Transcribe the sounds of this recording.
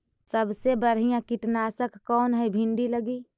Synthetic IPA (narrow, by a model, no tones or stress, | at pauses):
səbsebəɾ̤ijãkɪʈnaːsəkːɔːnɦɛibʱɪ̃ɳɖiləɡiː